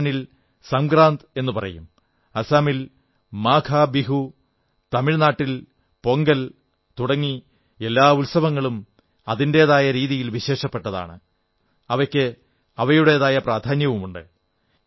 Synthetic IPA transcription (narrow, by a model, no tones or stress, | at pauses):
nil | sɐmɡɾaːnd̪e̞nːupɐrɐ̰jum | ɐsaːmil | maːkʰaːbiɦu | t̪ɐmiɻnaːʈːil | po̞ŋɡɐl | t̪uɽɐŋːi | e̞lːaːulsɐʋɐŋːɐɭum | ɐðinde̞ðaːjɐɾiːðijilʋiɕe̞ːʂɐpːe̞ʈːɐða̰ːɳɨ̰ | ɐʋɐkʲːɨ | ɐʋɐjuɽe̞ðaːjɐpraːd̪ʱaːnjɐʋumuɳɖɨ̰